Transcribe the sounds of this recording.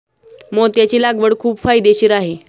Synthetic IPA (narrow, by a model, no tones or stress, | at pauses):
mot̪jat͡ɕiːlaɡʋəɽkʰuːbfajd̪eɕiːɾaɦe